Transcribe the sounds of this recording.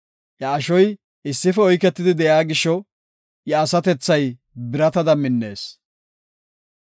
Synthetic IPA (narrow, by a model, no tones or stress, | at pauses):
jɐːʃɔj | ɪsːɪfɛɔjkɛt̪ːɪd̪ɪd̪ɛjaːɡɪʃːɔ | jɐːsɐt̪ɛt͡sːɐj | bɪɾɐt̪ɐd̪ɐmɪnːe̞̰ːs